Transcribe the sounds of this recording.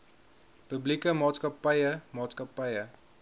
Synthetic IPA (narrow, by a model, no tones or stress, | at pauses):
pəblikəmɑːtskɐpɐjəmɑːtskɐpɐjə